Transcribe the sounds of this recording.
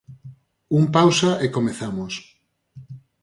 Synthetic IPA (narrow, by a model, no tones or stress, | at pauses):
uŋpawsaekomeθamos